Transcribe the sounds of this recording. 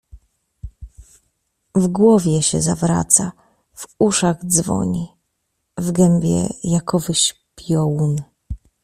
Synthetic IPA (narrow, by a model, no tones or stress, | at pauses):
vɡwɔvʲjɛɕɛ̰zavɾa̰t̪sa | vuʂaɣd̪zvɔ̰ɲi | vɡɛmʲbʲjɛ̰jakʰɔvɘɕpʲjɔwun